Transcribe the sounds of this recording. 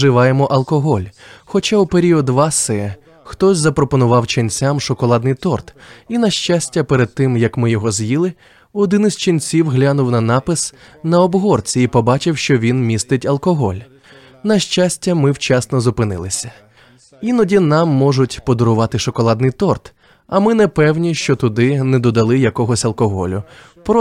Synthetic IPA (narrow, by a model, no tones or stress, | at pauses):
ʒɪʋɑjemɔʔɐlˠkɔɦɔlʲxɔt͡ʃaupeɾʲiɔd̪ʋɑsɛ | xt̪ɔsʲzɐpɾɔpɔnʊʋɑwt͡ʃɪnt͡sʲamʃɔkɔlˠɑd̪̚nɪjt̪ɔrt̪inɐʃt͡ʃasʲtʲːɐpeɾed̪̚t̪ɪmjɐkmɪjɔɦɔzjilˠɪ | ɔd̪ɪnɪzʲt͡ʃinʲt͡sʲiwɦlʲanʊwnɐnɑpɪs | nɐɔbɦɔrt͡sʲiipɔbɑt͡ʃɪwʃt͡ʃɔʋʲinmʲist̪ɪtʲɐlˠkɔɦɔ̰lʲ | nɐʃt͡ʃasʲtʲːɐmɪwt͡ʃɛsnɔzʊpɪnɪ̰lˠɪsʲɐ | inɔdʲinɑmːɔʒʊtʲpɔd̪ɔɾʊʋɑt̪ɪʃɔkɔlˠɑd̪nɪjt̪ɔrt̪ | ɐmɪnɛpɛwnʲiʃt͡ʃɔt̪ʊd̪ɪnɛd̪ɔd̪ɐlˠɪjɐkɔɦɔsʲɐlˠkɔɦɔ̰lʲʊ | pɾɔ